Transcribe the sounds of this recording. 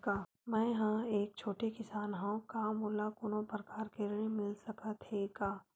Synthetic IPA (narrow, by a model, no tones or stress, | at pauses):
kaː | mɛ̃ːɦãeːk̚t͡ʃʰoːʈekɪsaːnɦãkamoːlakʊnõpɾəkaːɾkelimɪlsɐkat̪ʰekaː